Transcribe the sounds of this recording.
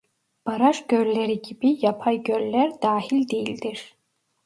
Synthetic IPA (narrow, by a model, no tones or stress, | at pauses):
b̥aɾaʃɟ̥ølleɾiɟibijapʰajɟølːæɾd̪aːhilʲd̪ejilʲd̪iɾ̥